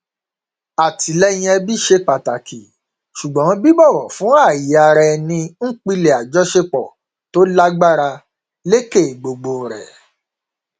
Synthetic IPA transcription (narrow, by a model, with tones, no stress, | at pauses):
a˨ti˨˦lɛ˦j̃ĩ˦ɛ˧bi˦ʃe˧k͡pa˨ta˨kʰi˨ | ʃu˨ɡ͡bɔ̃˨˦bi˦bɔ˦˨wɔ˨fũ˨˦a˦˨ji˨a˨ɾɛ˧nĩ˧ŋ̩˦k͡pi˦˧le˨a˨d͡ʒɔ˨˦ʃe˧k͡pɔ˨ | to˨˦la˦ɡ͡ba˦˨ɾa˧ | le˦ke˦˨ɡ͡bo˨ɡ͡bo˨ɾɛ̰˨